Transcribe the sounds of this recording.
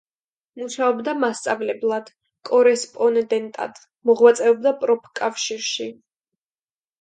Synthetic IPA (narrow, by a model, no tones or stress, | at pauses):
muʃaɔbd̪amast̪sʼavlɛblˠad̪̥ | kʼɔɾɛspʼɔnd̪ɛnt̪ʼa̰d̪̥ | mɔʁwat̪sʼɛɔb̚d̪apʼɾɔpʰkʼafʃiɾʃi